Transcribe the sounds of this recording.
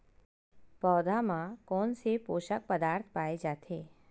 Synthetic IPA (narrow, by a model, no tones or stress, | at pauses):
pɔd̪ʱamãkɔnsepoʃək̚pəd̪aɾt̪ʰpaed͡ʒat̪ʰe